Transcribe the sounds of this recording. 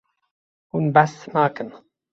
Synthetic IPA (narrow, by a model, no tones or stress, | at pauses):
unbæsnaːkən